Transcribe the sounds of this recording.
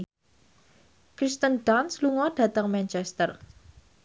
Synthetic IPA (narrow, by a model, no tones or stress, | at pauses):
kɾist̪ənɖansluŋɔɖ̥ä̤t̪əŋmɛnt͡ʃɛst̪ər